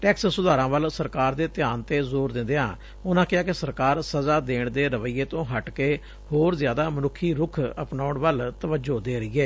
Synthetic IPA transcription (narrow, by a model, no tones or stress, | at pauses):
ʈɛːkssːʊd̪aːɾãːʋəlsəɾkaːɾd̪eːt̪ɪjaːnt̪eːzoːɾd̪ɪ̃nd̪eːɦã̰ː | ʊnãːkɪaːkɪsəɾkaːɾsəzaːd̪eːɳd̪eːɾəʋəɪjːeːt̪õːɦəʈkeː | hoːɾzjaːd̪aːmənʊkʰːiːɾʊkʰəpnaːʊɳʋəlt̪əʋəd͡ʒoːd̪eːɾəiːɛː